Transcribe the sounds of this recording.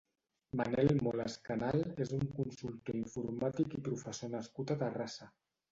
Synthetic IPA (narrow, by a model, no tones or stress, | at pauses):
manɛlmolaskanalezuŋkunsulˠt̪oiɱfuɾmat̪ikipɾufəsonəskut̪at̪ərasa